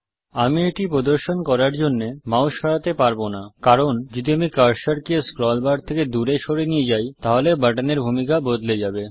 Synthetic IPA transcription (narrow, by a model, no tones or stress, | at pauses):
amieʈipɾod̪oɾʃonkɔɾaɾd͡ʑonːemãwʃɔɾat̪epaɾbonakaɾond͡ʑod̪iamikaɾʃaɾkieskɾɔlbaɖt̪ʰeked̪uɾeʃoɾenijed͡ʑajt̪aɦolebaʈaneɾbʱumikabod̪led͡ʑabe